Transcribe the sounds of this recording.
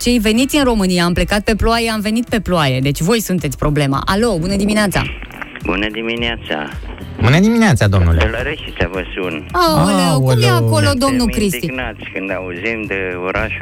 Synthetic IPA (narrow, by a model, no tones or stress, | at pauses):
t͡ʃe̞jve̞nit̪sʲɨinro̞mɨnijaːmple̞kat̪̚pe̞ploajeamve̞nit̪̚pe̞ploaje̞d̪e̞t͡ʃʲvo̞jsunt̪et̪sʲpɾo̞ble̞ma̰ʔalo̞bunəd̪imineat̪sa̰ | bunəd̪imineat̪sa̰ | bunəd̪imineat̪sad̪o̞mnṵleələɾeʃisavəsunoowkumjeako̞lod̪omnukɾist̪inat̪sʲkɨnd̪auzimd̪eoɾaʃu